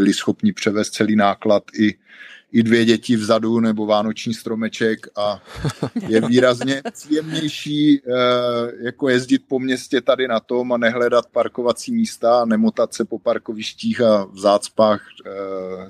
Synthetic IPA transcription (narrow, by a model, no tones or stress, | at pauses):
ɪlɪsxo̞pɲɪpr̝̥ɛvɛːst̪̚t͡sɛliːnaːklat̪ɪ | ʔɪdvjɛɟɛcɪvzadunɛbo̞vaːnot͡ʃɲiːst̪ɾo̞mɛt͡ʃɛka | jɛviːɾazɲɛpr̥iːjɛmɲɛjʃiː | jako̞jɛzɟɪt̪̚po̞mɲɛscɛt̪adɪnat̪o̞manɛɦlɛdat̪̚paɾko̞vat͡siːmiːst̪aːnɛmot̪at̪sɛpo̞paɾkovɪʃciːxavzaːt͡spaːx